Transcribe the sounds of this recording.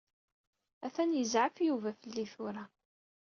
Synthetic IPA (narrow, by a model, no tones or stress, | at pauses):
æθænjəzʕəfjuvæfəlːiθʊɾa